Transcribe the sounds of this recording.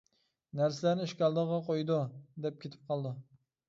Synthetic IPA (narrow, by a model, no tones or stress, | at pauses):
næɾs̬ɪlæɾnɪʃkʲɑlˠd̪əʁɑqʰojd̪ud̪ɛp̚kʲʰet̪ʰɪ̥p̚qʰɑlˠd̪u